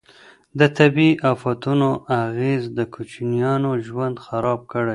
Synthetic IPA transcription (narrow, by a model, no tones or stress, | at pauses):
d̪ət̪abiʔafat̪unoaɣezd̪əkʰut͡ʃnijɑnoʒwand̪xaɾɑb̚kəɽaj